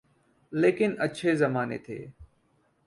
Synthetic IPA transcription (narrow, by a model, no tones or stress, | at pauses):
leːkɪnətːʃʰeːzəmaːnḛːt̪ʰḛː